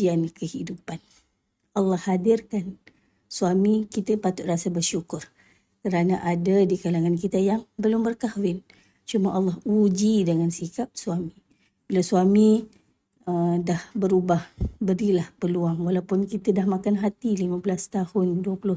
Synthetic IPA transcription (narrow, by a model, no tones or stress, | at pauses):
iankəhidupan | ʔɑlːɑhːadɪrkan | suamikit̪əpat̪ʊt̪ʔ̚rasabərʃukʊr | kəɾanaʔadadikalaŋank̬it̪əjaŋbəlʊmbərkahwɪn | t͡ʃumaʔalːɑhud͡ʒidəŋansikap̚suami | bilasuami | ədahbəɾubahbəɾilahpəluaŋwalawpʊnkit̪ədahmakanɦat̪ilimãbəlast̪ahʊnduwəpulʊ